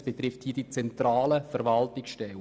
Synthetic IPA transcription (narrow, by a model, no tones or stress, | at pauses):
b̥et̪ɾɪfthiːdit͡sɛntɾaːləfəɾvɑltɪksʃtɛl